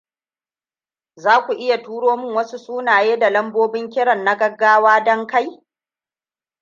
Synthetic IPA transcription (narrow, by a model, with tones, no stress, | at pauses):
zaː˦kʷu˨ʔɪ˦ja˨tuː˦ɽoː˦mɪ˦ŋwɐ˦su˦sʼuː˦naː˨jeː˦da˨lɐ˦mboː˦bɪ˦ŋkʲɪ˦ɽɐ˨nːa˦ɡɐ˦ɡːaː˦waː˦dɔ˦ŋka˦j